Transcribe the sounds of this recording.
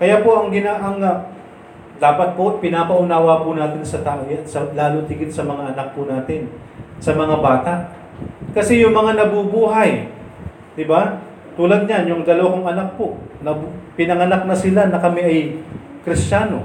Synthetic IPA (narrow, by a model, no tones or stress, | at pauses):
kɐjapo̞ʔɐŋɡɪnaʔɐŋ | d̪aːpɐt̪̚popɪnapɐʔʊnaːwɐpʊnaːt̪ɪnsɐt̪aːʔojansɐlaːlot̪ɪɡɪnsɐmɐŋaʔɐnak̚pʊnaːt̪ɪn | sɐmɐŋabaːt̪aʔ | kɐsɛjʊŋmɐŋanɐbubuːɦɐj | d̪ɪba | t̪uːlɐd̪̚ɲanjʊŋd̪ɐlɐwakoŋɐnak̚po̞nɐbpɪnɐŋɐnak̚nɐsɪlanɐkɐmɛʔɐjkɾɪst͡ʃaːno̞